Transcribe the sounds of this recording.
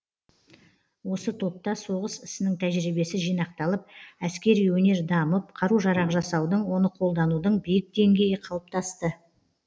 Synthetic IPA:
wo̞sət̪ʰo̞p̚t̪ːɑso̞ʁəsɪsɪnɪŋt̪ʰæʒɾibe̞sɪʒijnɑq̚t̪ɑlˠəp̚æskʲe̞ɾijwɵne̞ɾd̪ɑməp̚qʰɑɾuʒɑɾɑʁəʒɑsɑwd̪əɴwo̞nəqʰo̞lˠd̪ɑnud̪əɴbijɪk̚d̪e̞ŋɡʲe̞jɪqʰɑlˠəp̚t̪ʰɑst̪ə

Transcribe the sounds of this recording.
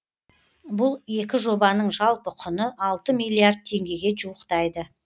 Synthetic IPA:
bʊlˠe̞kʲɪʒo̞bɑnəɴʒɑlˠpəkʰʊnəʔɑlˠt̪əmijlʲˠiard̪̚t̪ʰe̞ŋɡʲe̞ɡʲe̞d͡ʒuwəqt̪ɑjd̪ə

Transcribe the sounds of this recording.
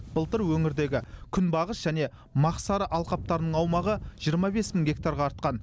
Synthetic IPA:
b̥əlˠt̪əɾwɵŋɪɾd̪e̞ɡʲɪkʲʰʏnbɑʁəsʒ̥æne̞ | mɑqsɑɾəʔɑlˠqɑp̚t̪ɑɾənəɴɑwmɑʁəʒ̥ijəɾmɑbe̞smɪŋɡʲe̞kt̪aɾʁɑːɾt̪̚qɑn

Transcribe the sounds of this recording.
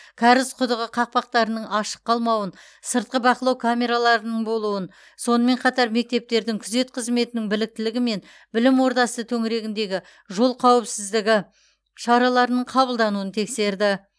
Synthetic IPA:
kʲʰɑɾɪzqʰʊd̪əʁəqʰɑq̚pɑq̚t̪ɑɾənəɴɑʃə̥qːɑlˠmɑwən | səɾt̪̚qəbɑqəlˠɑwkʰamʲe̞ɾalˠɑɾənəɴbo̞lˠuən | so̞nəme̞ɴqʰɑt̪ɑɾme̞k̚t̪e̞p̚t̪e̞ɾd̪ɪŋkʲʰʏze̞t̪qʰəzme̞t̪ɪnɪŋbɪlɪk̚t̪ɪlɪɡʲɪme̞n | bɪlɪmwo̞ɾd̪ɑsət̪ʰɵŋɾe̞ɡʲɪnd̪e̞ɡʲɪ | ʒo̞lˠqʰɑwɪpsɪzd̪ɪɡʲɪ | ʃɑɾɑlˠɑɾənəɴqʰɑβəlˠd̪ɑnuənt̪ʰe̞kse̞ɾd̪ɪ

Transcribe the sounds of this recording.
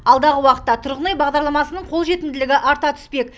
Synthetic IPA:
ɑlˠd̪ɑʁəwɑqət̪ːɑt̪ʰʊɾʁənɑjbɑʁd̪ɑɾlˠɑmɑsənəɴqʰo̞lˠʒe̞t̪ɪnd̪ɪlɪɡʲɪʔɑɾt̪ɑt̪ʰʏ̥spe̞k

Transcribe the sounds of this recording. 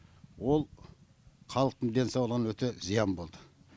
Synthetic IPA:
wo̞lˠ | qʰɑlˠəq̚t̪ənd̪e̞nsɑwlˠəʁənwɵt̪ezijɑnbo̞lˠd̪ə

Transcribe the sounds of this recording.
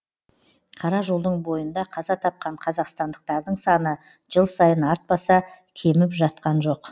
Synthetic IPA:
qʰɑɾɑʒo̞lˠd̪əɴbo̞jənd̪ɑqʰɑzɑt̪ʰɑp̚qɑɴqʰɑzɑqst̪ɑnd̪əq̚t̪ɑɾd̪əɴsɑnə | ʒ̥əlˠsɑjənɑɾt̪̚bɑsɑ | kʲʰe̞mɪpʒɑt̪̚qɑnʒo̞q

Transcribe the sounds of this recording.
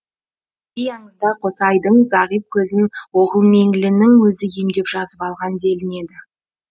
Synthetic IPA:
ijɑɴəzd̪ɑqʰosɑjd̪əɴzɑʁijp̚kʲʰɵzɪnwo̞ʁəlˠme̞ŋɡɪlɪnɪŋwɵzɪje̞md̪e̞pʒ̥ɑzəpɑlˠʁɑnd̪e̞lɪne̞d̪ɪ

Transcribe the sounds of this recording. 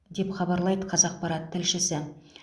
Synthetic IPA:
d̪e̞pχɑbɑɾlˠɑjd̪əqʰɑzɑq̚pɑɾɑt̪ʰːɪlʃɪsɪ

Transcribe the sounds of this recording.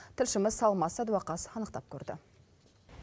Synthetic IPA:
t̪ʰɪlʃɪmɪzsɑlˠmɑsɑd̪uɑqɑsɑnəqt̪ɑp̚kʲʰɵɾd̪ɪ̰

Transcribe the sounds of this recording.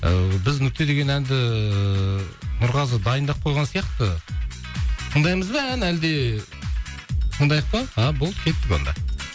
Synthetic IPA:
əbɪznʏk̚ʲt̪e̞d̪e̞ɡʲe̞nænd̪ɪ | nʊɾʁɑzəd̪ɑjənd̪ɑq̚qʰo̞jʁɑnsijɑqt̪ə | t̪ʰəɴd̪ɑjməzbeænæld̪e̞ | sʰənd̪ɑjɑq̚t̪ɑɑbolˠəp̚kʲʰe̞t̪ːɪkʲo̰nd̪ɑ̰

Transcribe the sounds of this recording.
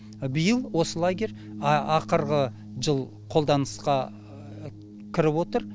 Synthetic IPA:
bəjəlˠwo̞səlˠaɡʲe̞ɾʲ | ɑqəɾʁə | ʒəlˠ | qʰo̞lˠd̪ɑnəsqɑ | kʲʰɪɾɪpwo̞t̪əɾ

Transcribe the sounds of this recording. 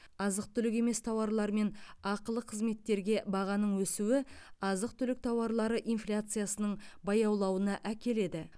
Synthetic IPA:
ɑzəq̚t̪ʰʏlɪk̬ʲe̞me̞st̪ʰɑwɑɾlˠɑɾme̞nɑqəlˠəqʰəzme̞t̪ːe̞ɾɡʲe̞bɑʁɑnəɴwɵsuwɪɑzəqt̪ʰʏlɪk̚t̪ʰɑwɑɾlˠɑɾəʔijnflʲat̪sɨjasənəɴbɑjɑwlˠɑwənɑʔækʲe̞le̞d̪ɪ

